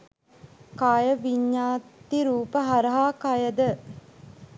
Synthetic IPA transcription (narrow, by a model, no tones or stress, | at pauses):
kaːjəʋiɲːaːt̪ːiɾuːpəɦaɾɐɦaːkajəd̪ə